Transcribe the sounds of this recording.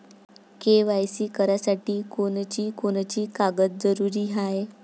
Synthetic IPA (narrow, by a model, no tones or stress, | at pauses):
keʋajsiːkəɾjasaʈiːkont͡ɕiːkont͡ɕiːkaɡət̪̚d͡zəɾuɾiːɦae